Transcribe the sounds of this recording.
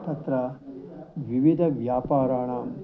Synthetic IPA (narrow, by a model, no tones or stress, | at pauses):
t̪ɐt̪ɾɐ | ʋiʋid̪ʱɐʋjaːpaːɾaːɳaːm